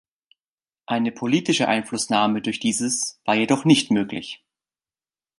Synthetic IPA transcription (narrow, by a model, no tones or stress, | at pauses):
ʔaɪnəpʰoliːtɪʃəʔa̰ɪnflʊsnaːmədʊɐçd̥iːzəsv̥aːɐjedɔχnɪçtmøːklɪ̰ç